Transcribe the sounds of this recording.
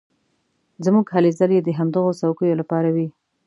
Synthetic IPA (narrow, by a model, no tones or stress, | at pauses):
zmuɡɦalezəljed̪əɦamd̪əɣosawkəjolapɑɾawi